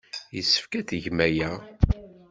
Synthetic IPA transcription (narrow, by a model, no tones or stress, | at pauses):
jəsːə̥fkæθəʝmæjæ